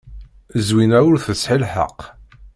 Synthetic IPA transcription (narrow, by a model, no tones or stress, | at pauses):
zwinæwʊɾθəsħilħə̰q